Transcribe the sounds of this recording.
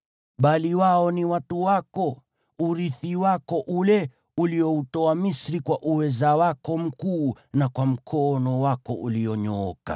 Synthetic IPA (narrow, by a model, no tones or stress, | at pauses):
ɓaliwaɔniwatuwakɔ | uɾiθiwakɔʔulɛ | uliɔutɔamisɾikwaʔuwɛzawakɔm̩kuːnakwam̩kʰɔnɔwakɔʔuliɔɲɔɔka̰